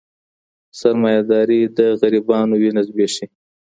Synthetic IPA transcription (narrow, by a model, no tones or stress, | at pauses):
saɾmɑjad̪ɑːɾid̪əɣaɾibɑnowinazbeʃi